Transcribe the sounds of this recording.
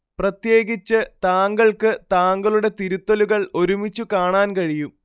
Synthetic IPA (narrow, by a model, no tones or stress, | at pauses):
prɐt̪je̞ːɡit͡ɕːɨt̪aːŋɡɐɭkɨt̪aːŋɡɐɭuɽe̞t̪iɾut̪ːɐluɣɐɭo̞ɾumit͡ɕːukaːɳaːnkɐɻijum